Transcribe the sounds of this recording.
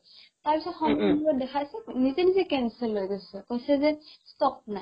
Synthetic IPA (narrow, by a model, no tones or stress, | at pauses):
taɹpisɔtxɔmɔɔbɔdɛkʰajsɛnizenizekɛnsɛlːojɡosɛkojsɛzɛstɔp̚na